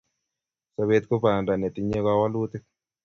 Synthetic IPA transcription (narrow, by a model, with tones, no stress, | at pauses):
sa˦βe˦t̪ko˦pa˨nda˨nɛ˨t̪i˦ɲe˦ka˦wa˦lu˦t̪e˦